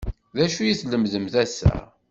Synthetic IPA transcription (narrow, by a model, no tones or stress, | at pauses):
ðæʃujiθləmðəmθæsæ̰